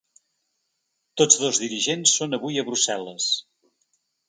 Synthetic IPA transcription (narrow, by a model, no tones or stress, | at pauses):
t̪od͡zðozðiɾiʒensːonəβujəβ̞ɾusɛlˠəs